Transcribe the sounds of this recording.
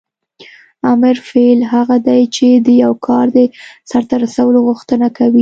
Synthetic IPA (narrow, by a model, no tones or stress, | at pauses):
ɑmɪɾfelɦaɣad̪ajt͡ʃed̪əjawkʰɑɾd̪əsaɾt̪aɾasawəloɣʊxt̪ənakawi